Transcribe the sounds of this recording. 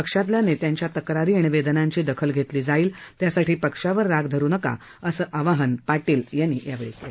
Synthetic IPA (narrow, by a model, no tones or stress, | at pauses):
pəkʂãt̪ljanet̪jaɲt͡ɕjat̪əkɾaɾiːɳ̃iʋed̪ənãɲt͡ɕiːd̪əkʰəlɡʱet̪liːd͡zaiːlt̪jasaʈʰiːpəkʂaʋəɾːaɡd̪ʱəɾuːnəka̰ | əsəːʔaʋaɦənpaʈiːljanːḭːjaʋeɭike